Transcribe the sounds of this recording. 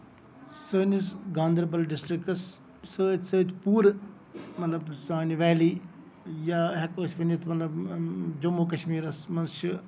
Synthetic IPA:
səːnisɡãːnd̪ɐɾbɐlɖɪsʈɾikɐs | səːd͡ʒsəːt̪puːɾ | mɐt̪lɐbsaːniʋɛːliː | jaːɦɐkəːsʋɐnit̪ʰmɐt̪lɐbd͡ʒɐmoːk̬ɐʃmiːɾɐsmɐnsʃʰi

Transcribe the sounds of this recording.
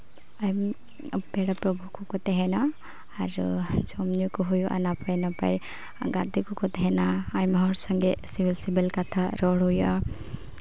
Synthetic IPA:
ajm | pɛɽapɾɔbʱukɔkɔt̪ɛɦɛna | aɾṵt͡ʃɔmnukɔɦujuʔa̰napajnapa̰j | ɡa̰d̪ikɔkɔt̪ɛɦɛnaːjmɦɔɾsɔŋɡesibilsibelkat̪ʰaɾɔɽɦuja̰

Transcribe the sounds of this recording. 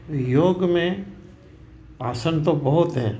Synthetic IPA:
joːɡmẽ | aːsənt̪obɐɦʊt̪ɦɛ̃ː

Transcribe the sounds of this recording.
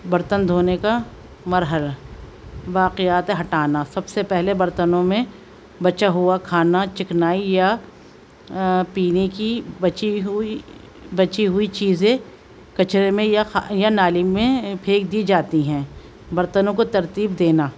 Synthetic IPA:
bɐɾt̪ənd̪ʱoːneka | mɐɾɦəla | ʋaːqɪjaːt̪eɦɐʈaːnasɐbsepɛɦlebɐɾt̪ənõmẽ | bɐt͡ʃaɦuakʰaːnat͡ʃɪknaːija | piːnekibɐt͡ʃi | bɐt͡ʃiɦʊit͡ʃiːzẽ | kɐt͡ʃɾemẽjajanaːlimẽpʰeːk̚d̪id͡ʒaːt̪iɦɛ̃ː | bɐɾt̪ənõkot̪ɐɾt̪iːbd̪eːnaː

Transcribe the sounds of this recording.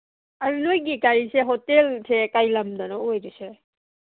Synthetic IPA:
aɾulojɡikaɾiseɦɔtelsʰekajlamdanɔojduse

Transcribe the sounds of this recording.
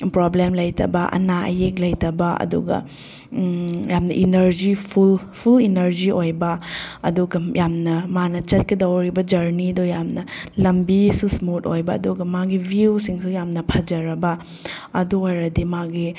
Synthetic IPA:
pɾoblemlɐjtʰɐ̰bɐʔɐ̰naʔɐ̰jek̚lɐjtɐbɐɐ̰dṵɡɐ̰ | jamnɐʔinɐɾd͡ʒipʰul | pʰulinɐɾd͡ʒiojbɐɐ̰duɡɐjamnɐmanɐt͡ʃɐt̚kɐdɐwɾibɐd͡ʒɐɾniɐdojamnɐlɐmbisusmutojbɐɐ̰duɡɐmaɡibʱiusiŋsujamnɐpʰɐd͡ʒɐɾɐbɐ | ɐduojɾɐdimaɡi

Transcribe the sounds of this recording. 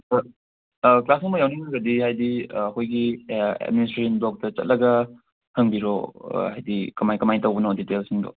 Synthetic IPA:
klasiŋmɐjawniŋɐɡɐdihajdiɐkʰojɡiɛ̰d̚ministɾesɐnblok̚tɐt͡ʃɐ̰t̚lɐɡɐ | hɐŋbiɾo̰hajdikɐmajkɐmajtɐwbɐnoditelsiŋdo̰

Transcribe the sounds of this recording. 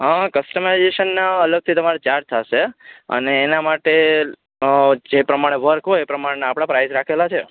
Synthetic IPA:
ɦəkəsʈəmajzeʃənːaələɡ̚t̪ʰit̪əmaɾet͡ʃaɾd͡ʒ̚t̪ʰaʃeə̰neːnamaʈe | d͡ʒepɾəmaɽ̃eʋəɾkɦoepɾəmaɽenaːpɽ̃apɾajzɾakʰelat͡ʃʰe

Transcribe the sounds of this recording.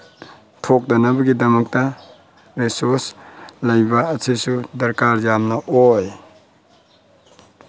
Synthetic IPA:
tʰok̚dɐnɐbɐɡidɐmɐk̚tɐ | ɾesoɾslajbaːsʰesudɐɾkaɾjamnɐʔoj

